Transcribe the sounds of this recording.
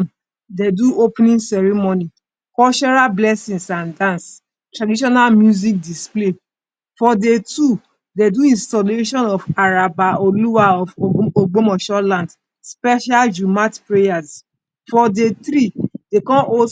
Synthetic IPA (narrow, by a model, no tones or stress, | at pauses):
deduopnĩnsɛɹimoni | kɔt͡ʃɔɹalblɛsĩŋsãndãns | tɹadiʃ̬ɔnalmjuzik̚disple | fɔdetu | deduĩnstɔleʃɔ̃nɔfaɹabaɔluaɔfoɡ͡bomɔʃɔlãnd | spɛʃald͡ʒumatpɹejas | fɔdet̪ɾid̥ekɔ̃o